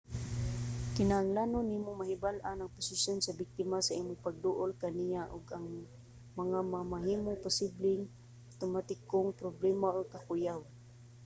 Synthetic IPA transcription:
kɪnahaŋlanonimomaɦɪbalʔanaŋpʊsɪsjonsabɪk̚t̪ɪmasaʔiːmʊŋpaɡ̚d̪ʊʔʊlkanijaʔʊɡaŋ | mɐŋamamaɦiːmopʊsiblɪŋ | t̪ʊmat̪ɪkoŋpɾoblɛmaʔoɡ̚kakʊjaw

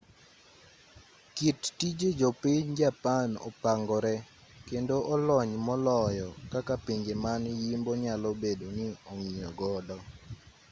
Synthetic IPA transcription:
kittid͡ʒed͡ʒopiɲd͡ʒapanɔ̰paŋɡɔɾɛ | kendoʔɔlɔɲmɔlɔjɔkakapiɲd͡ʒemanjimboɲalɔbedonɪɔŋiɲɔɡɔdɔ

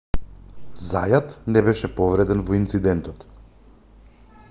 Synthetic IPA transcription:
zajat̪nɛbɛʃɛpɔvɾɛd̪ɛnvɔint̪sid̪ɛnt̪ɔt̪

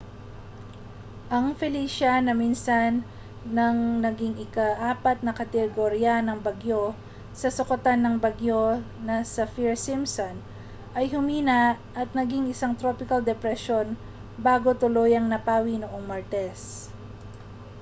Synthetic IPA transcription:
ʔɐŋfɛliːʃɐnɐminsɐnː | ɐŋnɐɡɪŋɪkɐʔaːpɐt̪̚nɐkɐt̪ɛɡoɾjanɐŋbɐɡjo̞ | sɐsʊkɐt̪anːɐŋbɐɡjo̞nɐsɐfiɹsimson | ʔɐjɦʊmiːnɐ | ʔɐt̪̚nɐɡiŋɪsaŋt̪ɾo̞pɪkɐld̪ɛpɾɛʃo̞n | baːɡo̞t̪ʊlo̞jɐŋnɐpaːwinoʔo̞ŋmɐɹt̪ɛs

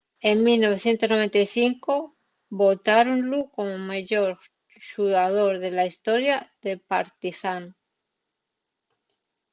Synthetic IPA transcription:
e̞ŋmilnoβe̞θje̞nt̪o̞znoe̞nt̪ajθiŋko | bo̞t̪aɾonluko̞momeʝoɾ | ʃuðaðo̞ɾðe̞laist̪o̞ɾjaðe̞paɾt̪iθan

